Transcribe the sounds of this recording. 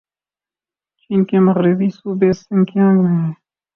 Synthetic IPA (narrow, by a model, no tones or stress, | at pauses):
t͡ʃiːnkeːməɣɾɪbiːsuːbeːsɪ̃ŋkjãːŋɡmẽːɦɛː